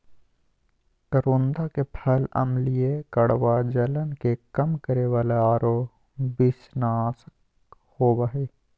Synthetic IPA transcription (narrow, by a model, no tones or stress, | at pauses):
kəɾoːnd̪akepʰələ̰mlijekəɽʋad͡ʒələnkekəmkəɾeʋaːleaːɾoː | bɪsnas | hoːwaɦeː